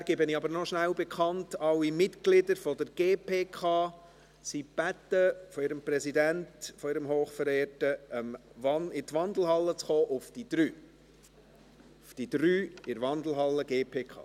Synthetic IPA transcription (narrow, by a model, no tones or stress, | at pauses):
æɾɡ̥ɪbɪnɪɑbəɾnɔʃnæʊbɛkʰɑntɑlːimɪtɡ̥lɪdəɾfɔdəɾɡ̥eːpʰeːkʰɑː | sib̥ætːəfɔɪɾəmprɛsidæntfɔɪɾəmɦoːχfəɾeːrtəəmvɑnɪtʋɑnd̪l̩ɦɑlːət͡sχoːʔʊfd̥id̥ɾyː | ʊfd̥id̥ɾyːɪɾʋɑndl̩ˠɦɑlːəɡeːpʰeːkʰɑ̰ː